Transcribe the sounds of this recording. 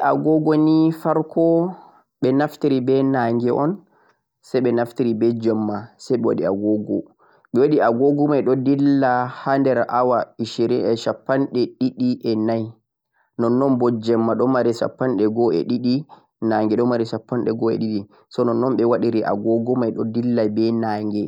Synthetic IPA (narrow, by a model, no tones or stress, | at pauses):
ʔaɡɔɡɔnifaɾkʰɔ | ɓɛnaftiɾibɛnaŋɡɛʔɔn | sajɓɛnaftiɾibɛd͡ʒɛmːasajɓɛwa̰ɗiaɡɔɡɔ̰ | ɓɛwaɗiaɡɔɡumajɗɔdilːahandɛɾʔawaiʃiɾiɛʃapːanɗɛɗiɗiʔɛnaj | nɔnːɔnbɔd͡ʒɛmːaɗɔmaɾisa̰pːanɗɛɡɔɛ̰ɗiɗi | naŋɡɛɗɔmaɾiʃapːanɗɛɡɔɛ̰ɗiɗi | sɔnɔnːɔmɓɛwaɗiɾiʔa̰ɡɔɡɔmajɗɔdilːajbɛnaːŋɡɛ